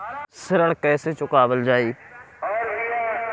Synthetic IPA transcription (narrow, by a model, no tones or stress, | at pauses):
sɪɾəɳkɛːseːt͡ʃʊkaːʋəld͡ʒaːiː